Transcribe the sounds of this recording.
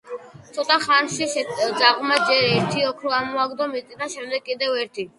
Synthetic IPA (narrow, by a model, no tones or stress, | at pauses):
t̪sʰɔt̪ʼaχanʃid̪zaʁmad͡ʒɛɾɛɾt̪ʰiɔkʰɾɔamɔaɡd̪ɔmit̪ʼid̪aʃɛmd̪ɛɡkːʼid̪ɛvɛɾt̪ʰi